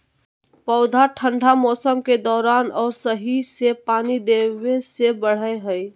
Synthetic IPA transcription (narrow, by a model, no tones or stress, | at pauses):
pəʊd̪ʱaʈʰəɳɖʱamɔːsəmked̪ɔːɾaːnɔːɾsəɦisepaːnid̪ebesebəɽ̤əeɦəj